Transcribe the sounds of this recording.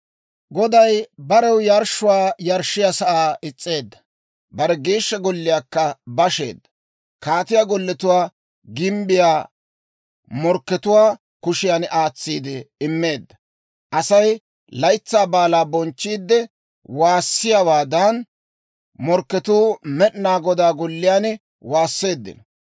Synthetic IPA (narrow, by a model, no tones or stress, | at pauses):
ɡɔd̪ɐjbɐɾɛwjɐɾʃːʊwaːjɐɾʃɪjasɐʔaːɪt͡sʼːe̞ːd̪ːɐ̥ | bɐɾɛɡeːʃːɐɡɔlːɪjakːɐbɐʃḛːd̪ːɐ | kaːt̪ɪjaːɡɔlːɛt̪ʊwaː | ɡɪmbɪjaː | mɔɾkːɛt̪ʊwaː | kʊʃɪjanʔaːt͡sːiːd̪ɪɪmːe̞ːd̪ːɐ | ʔɐsɐj | lɐjt͡sːaːbaːlaːbɔnt͡ʃːiːd̪ːɛ | waːsːɪjawaːd̪ɐn | mɔɾkːɛt̪uːmɛʔnaːɡɔd̪aːɡɔlːɪjaːnɛ | waːsːe̞ːd̪ːɪ̰nɐ